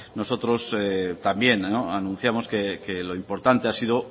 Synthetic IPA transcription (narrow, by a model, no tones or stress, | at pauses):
no̞so̞t̪ɾo̞set̪ambje̞noanũn̟θjamo̞skekelo̞impo̞ɾt̪ant̪e̞asiðo